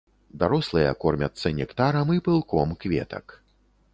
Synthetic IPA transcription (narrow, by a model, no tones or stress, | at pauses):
d̪aɾɔslˠɨjɐ̰kɔrmʲɐt̪sːɐnʲɛkt̪aɾɐmipɨlˠkɔmkvʲɛ̰t̪ɐ̰k